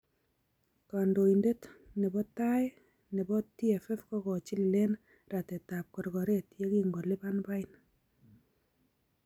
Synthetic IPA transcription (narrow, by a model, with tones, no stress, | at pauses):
ka˨ndo˨inde˦tnɛ˨bɔ˦ta˦j | nɛ˨bɔ˦ti˦ɛ˨fɛ˦fkɔ˦kɔ˨t͡ʃɪ˦lle˦n | ra˨tɛ˨ta˨p̚kɔ˨ɾɡɔ˨ɾe˦tje˦ki˦ŋɡo˨lɪ˦ba˦nba˦ɪ˦n